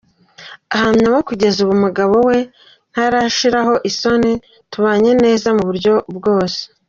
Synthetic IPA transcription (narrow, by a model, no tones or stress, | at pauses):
ahamɲaβokuɟe̞zuβumuɡaβo̞we̞ | n̥haɾaʃiɾaɦo̞ʔiso̞ni | tuβaːɲe̞ne̞ːzamuβuɾɟo̞bɡo̞ːse̥